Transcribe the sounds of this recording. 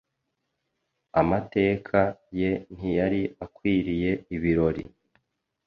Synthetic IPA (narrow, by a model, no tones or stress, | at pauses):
amate̞ːkʰaje̞n̥ijaɾiakwiːɾije̞iβiɾo̞ɾḭ